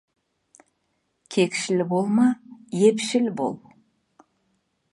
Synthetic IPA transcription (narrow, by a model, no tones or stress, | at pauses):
kʲʰekʲʃɪlɪbolˠmɑje̞pʃɪlbo̰lˠ